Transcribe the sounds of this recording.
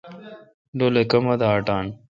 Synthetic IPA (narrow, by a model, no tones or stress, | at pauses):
lolekɐmɐd̪aːʈaːn